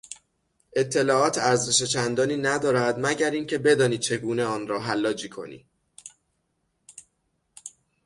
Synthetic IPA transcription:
ʔe̞t̪ʰːe̞lɒːɒːt̪ʰæɾze̞ʃe̞t͡ʃʰænd̪ɒːniːnæd̪ɒːɾæd̪mæɟæɾiːncʰe̞be̞d̪ɒːniːt͡ʃʰe̞ɡuːne̞ɒːnɾɒːɦælːɒːd͡ʒiːkʰo̞̰nḭː

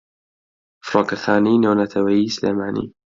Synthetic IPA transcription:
fɾˤɑkaxaːniːnownat̪ʰawajislḛːmaːnḭ

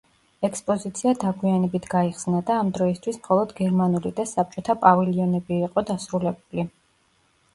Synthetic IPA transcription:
ɛkspʼɔzit̪sʰiad̪aɡwianɛbit̪ʰɡaiχsnad̪aːmd̪ɾɔist̪ʰwismχɔlˠɔd̪ɡɛɾmanulid̪asap̚t͡ʃʼɔt̪ʰapʼaviliɔnɛbiːqʼɔd̪asɾulɛbuli

